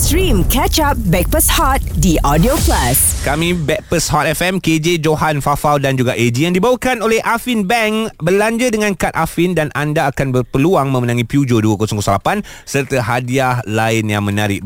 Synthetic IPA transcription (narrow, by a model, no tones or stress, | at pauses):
sɾĩmkɛt͡ʃap̚bɛk̚pəshɔt̪̚diʔɔdioplaskamĩbɛk̚pəshɔt̪̚ɛfɛmked͡ʒed͡ʒoɦanfafaldand͡ʒuɡaʔed͡ʒijaŋdibawəkanolɛhʔafinbɛŋbərlaɲd͡ʒədəŋãnkat̪̚afindanʔandaːkanbərpəluaŋmə̃mənãŋĩpjud͡ʒoduəkosɔŋkəsəlapansərt̪əɦadiahlaɪnjaŋmə̃naɾɪʔ